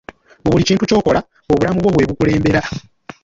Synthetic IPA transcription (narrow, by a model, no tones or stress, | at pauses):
βuβuliciːntuco̞ːko̞la | oβulamuβwo̞βwe̞ːβukule̞ːmbe̞ɾa